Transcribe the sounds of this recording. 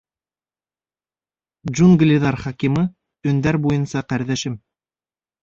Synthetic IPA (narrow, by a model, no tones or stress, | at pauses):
d͡ʒunɡlʲɪðɑɾχɑkʲimɤ | ɵ̆nd̪æɾbujɤnsɑqæɾðæʃɘm